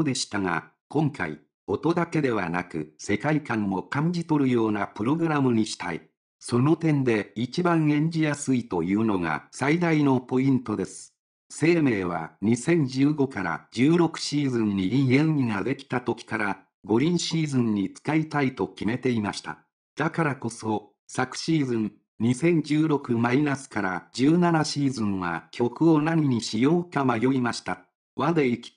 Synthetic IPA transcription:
od̪e̞ɕi̥t̪aŋa̰ | kõ̞ŋka̰ḭ | o̞t̪o̞d̪ake̞d̪e̞β̞a̰nakɯ̟se̞kaikãmːo̞kãɲ̟d͡ʑit̪o̞ɾɯ̟jo̞ːnapɯ̟ɾo̞ɡɯ̟ɾamɯ̟ɲ̟iɕi̥t̪aḭ | so̞no̞t̪ẽ̞nd̪e̞it͡ɕibãɰ̃ẽ̞ɲ̟d͡ʑijasɨit̪o̞jɯːno̞ŋa̰said̪aino̞po̞ĩnt̪o̞d̪e̞sɨ̥ | se̞ːme̞ːβ̞a̰ɲ̟isẽ̞ɲ̟d͡ʑɨːɡo̞kaɾa̰d͡ʑɨːɾo̞kɯ̟̥ɕiːzɨ̃ɲɲiĩẽ̞ɰʲiŋad̪e̞kʲi̥t̪at̪o̞kʲi̥kaɾa | ɡo̞ɾʲĩɰ̃ɕiːzɨ̃ɲ̟ɲːit͡sɨ̥kait̪ait̪o̞kʲime̞t̪e̞imaɕi̥t̪a̰ | d̪̥akaɾako̞so̞ | sakɯ̟̥ɕiːzɨ̃n | ɲisẽ̞ɲ̟d͡ʑɨːɾo̞kɯ̟mainasɨ̥kaɾad͡ʑɨːnanaɕiːzɨ̃ɰ̃βa̰kʲʰo̞kɯ̟o̞naɲ̟iɲ̟iɕijo̞ːkamajo̞imaɕi̥t̪a | βad̪eikʲi̥

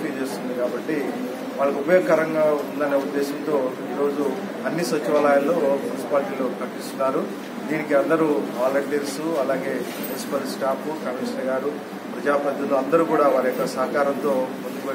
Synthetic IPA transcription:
pit͡ʃeːst̪und̪ikaːbɐʈːi | ʋaːɭːɐkubɐjokːɐːɾɐŋɡaːund̪ɐneːud̪ːɛːsɐnt̪o̞ː | iːɾo̞ːd͡ʒu | ɐnːisʋɐt͡ʃːiʋaːlaːjɐlːo̞ːmunisi̥paːlʈiːlo̞ːkɐʈist̪unaːɾu | d̪iːnikiɐnd̪ɐɾuɦaːlɐʈeɾsuɐlaːɡe̞ːmunsi̥pɐlsʈaːpukɐmiːʂɐnɐɡaːɾu | pɾɐd͡ʒaːpɐd̪ʱɐnloːɐnd̪ɐɾukuːɽaːʋaːɾɐjokːɐsɐɦɐkaːɾɐnt̪o̞ːmund̪ukuʋe

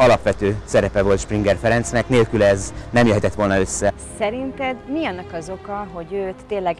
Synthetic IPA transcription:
ɒlɒpʋɛt̪øːsɛɾɛpɛvo̞lt̪ʃpriŋɡɛrfɛɾɛnt̪snɛkneːlkylɛznɛmjøɦɛt̪ɛt̪ːʋo̞lnɒø̞sːɛ | sɛɾint̪ɛd̪miɒnːɒkɒzo̞kɒɦo̞ɟøːt̪ːeːnlɛɡ

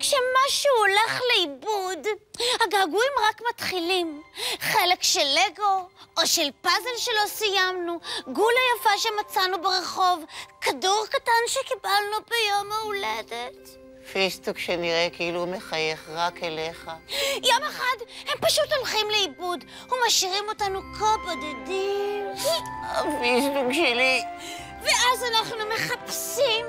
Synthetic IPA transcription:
kʃemaʃuoleχleibudhaɡaːɡuimʁakmatχilimχelekʃeleɡo̞oʃelpazelʃelo̞sijamnuɡulajafaʃemat͡sanubeʁeχo̞vkaduʁkatanʃekibalnubejo̞mauledet | fesbukʃeniʁekiilumeχaje̞χʁakeleχajo̞meχadhempaʃuto̞lχimleibud | humaʃiʁimo̞tanukapodadimavizluʃeli | veʔazanaχnume̞χapsim

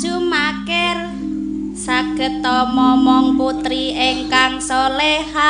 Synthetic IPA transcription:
sumakɛr | saɡ̥ə̤t̪ɔmɔmɔŋput̪ɾieŋkaŋsɔlɛha

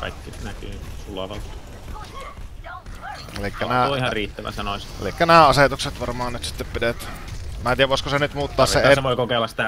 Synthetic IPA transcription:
kɑ̰ikːisenækyːsulɑʋɑlt̪ | elikːænæːihɑriːt̪ːæʋæ̰sɑnosḛlikːænæːɑset̪ukset̪ʋɑrmɑːnnyt̪si̥t̪ːeppidet̪mæt̪iːæʋoˑeskosenyt̪muːt̪ːɑːsseeseʋoˑikokelːɑssi̥t̪æ

